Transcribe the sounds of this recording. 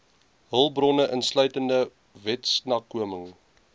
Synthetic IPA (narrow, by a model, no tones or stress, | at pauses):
ɦəlˠbrɔnəʔənslœɥtəndə | vɛtsnɑːkːuəməŋ